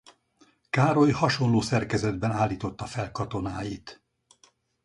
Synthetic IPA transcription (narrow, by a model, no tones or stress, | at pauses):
kaːɾo̞jhɒʃo̞nloːsɛrkɛzɛd̪bɛnaːlːiːt̪o̞t̪ːɒfɛlkɒt̪o̞naːjit̪